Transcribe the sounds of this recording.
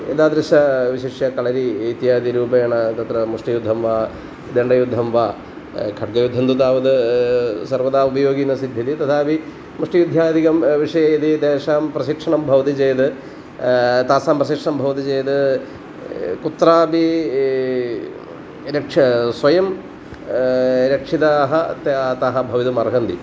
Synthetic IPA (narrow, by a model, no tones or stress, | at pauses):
ed̪aːd̪ɾɐʃɐʋiɕiʂjɐkɐɭɐɾiːt̪jaːd̪iɾuːbɐjɐɳɐt̪ɐt̪ɾɐmuʂʈijud̪ʱːɐmʋaː | d̪eɳɖɐjud̪ʱːɐmʋaː | kʰɐʈ̚ɡɐjud̪ʱːɐnd̪ut̪aːʋɐd̪ɨsɐɾʋɐd̪aːubʱɐjoːɡiːnɐsid̪ʱːɐd̪it̪ɐt̪ʰaːbi | muʂʈijud̪ʱːaːd̪ʱikɐmʋiʂɐjɐjid̪id̪eːʂaːmpɾɐʃikʂɐɳɐmbʱɐʋɐt̪it͡ʃeːjɐt̪ɨ | t̪aːsaːmpɾɐʃikʂɐɳɐmbʱɐʋɐt̪̬it͡ʃejɐt̪ɨ | kut̪ːɾaːbi | ɾɐkʂɐsʋɐjɐm | ɾɐkʂit̪aːɦɐt̪at̪aːɦɐbʱɐʋit̪umɐɾɦɐnd̪ḭ